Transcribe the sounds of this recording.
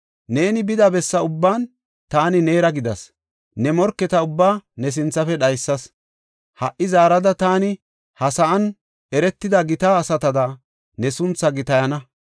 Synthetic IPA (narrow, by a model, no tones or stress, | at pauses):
ne̞ːnɪbɪd̪ɐbɛsːɐʊbːaːn | t̪aːnɪne̞ːɾɐɡɪd̪ɐs | nɛmɔɾkːɛt̪ɐʊbːaːnɛs̬ɪnt͡sːɐfɛɗɐjsːɐs | hɐʔːɪzaːɾɐd̪ɐt̪aːnɪ | hɐsɐʔɐn | ʔɛɾɛt̪ːɪd̪ɐɡɪt̪aːsɐt̪ɐd̪ɐ | nɛsʊnt͡sːɐɡɪt̪ɐjɐnɐ